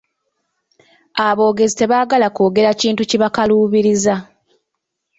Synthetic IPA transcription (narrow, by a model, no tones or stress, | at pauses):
aβo̞ːɡe̞zite̞βaːɡalako̞ːɡe̞ɾaciːntuciβakaluːβiɾiza